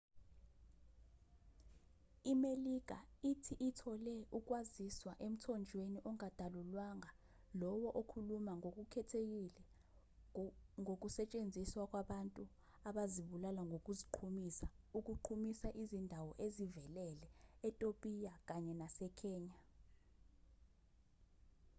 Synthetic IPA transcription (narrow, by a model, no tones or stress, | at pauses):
imelik̬a̰itʰiʔitʰɔlɛuk̬ʼwaziswaʔem̩tʰɔnd͡ʒʱweniʔɔŋad̥ʱalulwaŋa | lɔwɔʔokʰulumaŋok̬ʼukʰɛtʰek̬ilɛ | ŋok̬ʼusɛt͡ʃʼend͡zʱiswak̬ʼwaɓantʼu | aɓaziɓulalaŋok̬ʼuziǃʰumisa | uk̬ʼuǃʰumisaʔizindʱawɔʔezivɛlɛlɛːtʼopʼijak̬aɲɛnasɛkʰɛːɲa